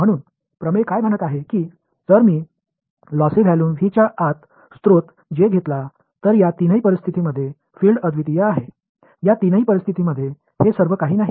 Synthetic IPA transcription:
m̤əɽ̃uːn | pɾəmekajm̤əɽ̃ət̪aɦekiː | d͡zəɾmiː | lɔsiɡʱjaluːnɦit͡ɕjaʔat̪ | st̪ɾot̪ | d͡ʑeɡʱet̪la | t̪əɾjat̪inəipəɾist̪ʰit̪iməd̪ʱːje | fiːlɖəd̪ʱʋit̪ijəaɦe | jat̪inəiːpəɾist̪ʰit̪iməd̪ʱːje | hesəɾʋəkaɦiːnaɦi

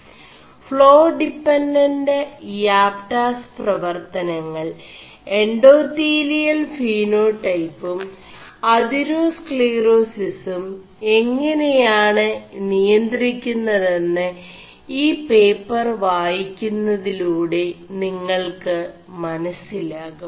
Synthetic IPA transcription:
fɭo̞ːɖipːenɖɐnɖɨjaːpʈaːsprɐʋɐrt̪ɐnɐŋːɐɭ | eɳɖoːt̪iːlijɐlfiːno̞ːʈɐjpːum | ɐðiɾoːskɭeːro̞ːsisum | e̞ŋːɐnejaːɳɨnijɐnd̪rikʲːunːɐðe̞nːɨ | iːpe̞ːpːɐrʋaːjikʲːunːɐðiluːɽe̞niŋːɐɭkɨ | mɐnɐsilaːɣum

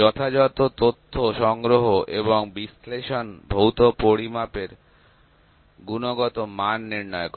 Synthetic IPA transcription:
ɔt̪ʰad͡ʑɔt̪ot̪ot̪ʰːoʃɔŋɡɾoɦoʔeβoŋbisleʃonbʱowt̪opoɾimapeɾ | ɡunoɡɔt̪omanːiɾnɔekɔ

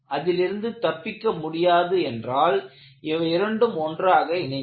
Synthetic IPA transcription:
ʔɐðɪlɪɾɯnd̪ɯt̪ɐpːɪkːɐmʊɽɪjaːðɯɛndraːl | ɪʋɐɪɾɐɳɖɯmɔndraːɣɐɪnɐ

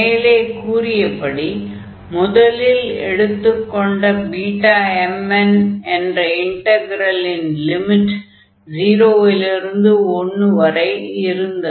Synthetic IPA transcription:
jɪleːkuːɾɪjɐpːɐɽi | mʊðɐlɪlɛ̰ɽɯt̪ːɯkːɔɳɖɐbiːʈːaːɛmːɛnɛndrɐɪɳʈɐɡɪɾɐlɪnlɪmɪʈ | d͡ʒiːɾoːɪlɪɾɯnd̪ɯɔnːɯʋɐɾɐɪɪɾɯnd̪ɐ

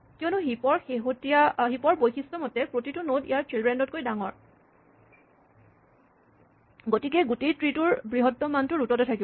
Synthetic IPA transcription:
kiɔnuɦipɔɹxeɦotijaɦipɔɹbojxistɔmɔtɛpɹotitʊnodijaɹtɹilbɹɛndɔt̚kojdaŋɔɹ | ɡotik̬ɛɡutetɹitʊɹbɹiɦɔtːɔmantʊɹutɔtɛtʰakib

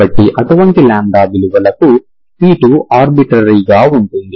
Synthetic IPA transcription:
ɐʈːiʔɐʈuʋɐɳʈilaːɳɖaːbiluʋɐlɐku | piːʈuʔaːɾbiʈɾɐɾiːɡaːuɳʈund̪i

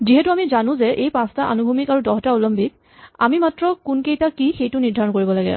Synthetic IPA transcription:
ziɦɛtuamizanʊ̃zɛʔejpãstaʔa̰nubʱumikaɹudɔɦɔtaulɔmbʱik̚ | a̰mimatɹɔkʊnkejtakixejtʊniɹdʱaɹɔnkoɹibɔlaɡɛ̰

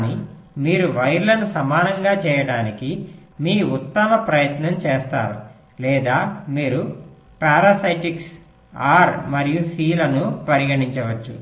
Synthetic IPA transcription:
ni | miːɾuʋɐjɾlɐnusɐmaːnɐŋɡaːt͡ʃɛːjɐɽaːnikimiːut̪ːɐmɐpɾɐjɐt̪nɐmt͡ʃɛːst̪a̰ːɾu | lɛːd̪aːmiːɾu | paːɾaːsɐjʈiks | aːɾmɐɾijusiːlɐnupɐɾiɡɐɽiɲt͡ʃɐʋɐt͡ʃːṵ

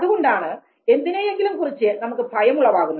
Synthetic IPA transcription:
ɐðuɣoɳɖaːɳɨ | e̞nd̪inejeŋɡilumkurit͡ɕːɨnɐmukːɨbʱɐjɐmuɭːɐʋaːɣunːɐð

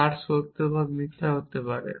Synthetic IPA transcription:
aɾsok̚t̪obʱabnit̪ʰːeɦot̪epaɾḛ

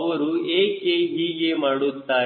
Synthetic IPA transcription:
ʋɐɾueːkeɦiːɡemaːɽut̪ːaː

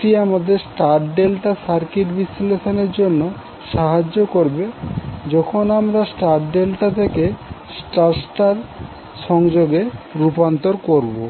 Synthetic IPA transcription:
ʈiamad̪eɾsʈaɾʈɖelʈasaɾkiʈbisileʃoneɾd͡ʑonːo | ʃaɦad͡ʑːokoɾbed͡ʑɔkʰonamɾasʈaɾʈɖelʈat̪ʰekesʈaɾsʈaɾ | ʃɔŋd͡ʑoɡeɾupant̪oɾkoɾbo

